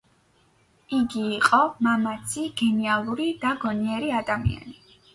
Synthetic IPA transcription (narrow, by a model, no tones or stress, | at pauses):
iɡiːqʼɔmamat̪sʰiɡ̥ɛnialˠuɾid̪aɡɔniɛɾiad̪amḭa̰ni